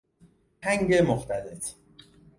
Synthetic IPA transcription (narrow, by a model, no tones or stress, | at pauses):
hʰæŋɡemoχt̪ælet̪ʰ